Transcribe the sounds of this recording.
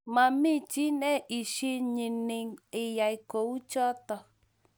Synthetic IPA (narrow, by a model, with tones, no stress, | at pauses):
mã˧mĩ˦˨t͡ʃi˨˦nɛ̃˦ʔi˨ʃi˧ɲĩ˨nĩ˧ŋi˧ja˨i˧ko˨u˦t͡ʃɔ˦t̪ɔ˨